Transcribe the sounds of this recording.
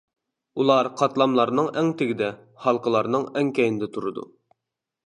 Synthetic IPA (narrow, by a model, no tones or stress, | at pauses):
ulˠɑɾqʰɑt̪lˠɑmlˠɑɾnɨŋɛŋt̪ʰɪɡʲɪd̪ɛ | hɑlˠqəlˠɑɾnɨŋɛŋkʲɛjnɪd̪ɛt̪ʰuɾɨd̪ṵ